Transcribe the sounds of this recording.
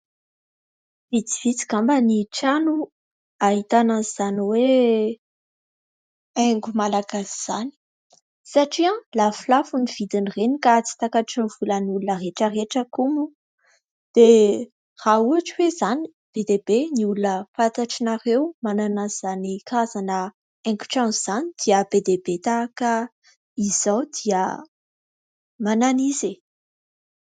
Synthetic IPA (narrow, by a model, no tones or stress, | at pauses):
vit͡s̪ivit͡si̥kambəniʈ͡ʂanu | aɦit̪anaizaniwe | eŋɡumalaɡasi̥z̥ani̥ | saʈ͡ʂiãlafilafuniv̥id̪inirenikat͡si̥t̪akaʈ͡ʂiniv̥uləniulunəreʈ͡ʂəreʈ͡ʂəkumu | d̪̥e | rauaʈ͡ʂiwezani̥ | b̥ed̪eb̥eniulunəfat̪aʈ͡ʂinaɾewmananazanikazanə | ɛ̃ŋku̥ʈ͡ʂanziz̥anid̪̥iəbed̪ebet̪aakə | iz̥awd̪̥iə̰ | mananize